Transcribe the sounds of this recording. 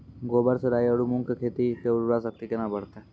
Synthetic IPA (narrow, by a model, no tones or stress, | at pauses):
ɡoːbəɾseɾaːjəɽumũŋkekʰeːt̪ikeɾuɾasɐk̚t̪ikenabɐɽ̤t̪e